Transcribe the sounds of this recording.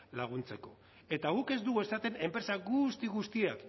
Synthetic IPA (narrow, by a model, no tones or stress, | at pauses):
laɣ̞unt͡se̞ko̞̰ | e̞t̪aɣ̞uke̞zd̪uɣue̞sat̪e̞ne̞mpɾe̞saɣust̪iɣust̪iak